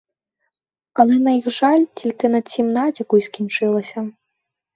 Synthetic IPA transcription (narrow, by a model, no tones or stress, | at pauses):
ɐlˠɛnɐjixʐalʲt͡sʲilʲkɨnɐsʲimnad͡zʲikujsʲkʲint͡ʂɨlˠɐsʲɐ